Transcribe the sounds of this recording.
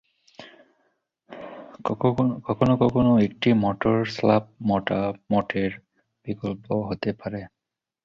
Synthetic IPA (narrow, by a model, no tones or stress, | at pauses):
kɔkʰɔnɔkɔkɔnoek̚ʈimɔʈɔɹslap̚mɔʈamɔʈʰeɹ | b̥ikɔlpɔɦotɛpaɹɛ